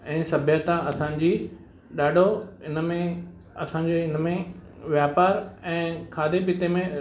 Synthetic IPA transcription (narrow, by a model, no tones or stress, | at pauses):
ɛ̃ːsɐbʱɪjət̪ãɐsãːɲd͡ʑiː | ɗaːɖʱoɪnmẽ | ɐsãːɲd͡ʑeɪnmẽ | ʋjaːpaːɾɛ̃ːkʰaːd̪ʱebɪt̪emẽ